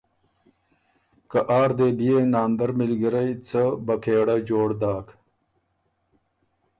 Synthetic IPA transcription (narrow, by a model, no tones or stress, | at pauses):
kɐʔaːɾd̪eːbijenaːnd̪ɐɾmilɡiɾɐjt͡səbɐkʰeːɽɐd͡ʑoːɽd̪aːk